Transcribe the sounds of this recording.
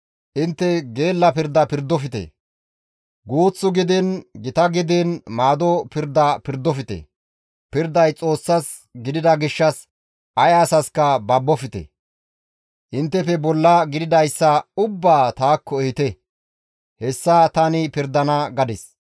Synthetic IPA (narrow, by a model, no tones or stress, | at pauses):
ʔɪnt̪ːɛɡe̞ːlːɐpɪɾd̪ɐpɪɾd̪ɔfɪt̪ɛ̰ | ɡuːt͡sːʊɡɪd̪ɛnɡɪt̪ɐɡɪd̪ɛnmaːd̪ɔpɪɾd̪ːɐpɪɾd̪ɔfɪt̪ɛ̰ | pɪɾd̪ɐjt͡sʼo̞ːsːɐs | ɡɪd̪ɪd̪ɐɡɪʃːɐs | ʔɐjaːsɐskɐbɐbːɔfɪt̪ɛ̰ | ʔɪnt̪ːɛfɛbɔlːɐɡɪd̪ɪd̪ɐjsːɐʊbːaːt̪aːkʰːɔɛhɪt̪ɛ | hɛsːɐt̪ɐnɪpɪɾd̪ɐnɐɡɐd̪ɪs